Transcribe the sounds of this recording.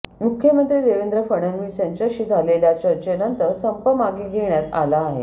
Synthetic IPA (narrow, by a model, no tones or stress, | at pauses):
mukʰjəmənt̪ɾiːd̪eʋend̪ɾəfəɳ̃ənʋiseɲt͡ɕəɕiːd͡zʱaleljat͡ɕəɾt͡ɕenənt̪əɾsəmpəmaɡiɡʱeɳjat̪alaːɦe